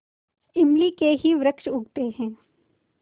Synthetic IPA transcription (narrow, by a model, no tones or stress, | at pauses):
ɪmlikeɦiʋɾəkʃʊɡt̪eɦɛ̃ː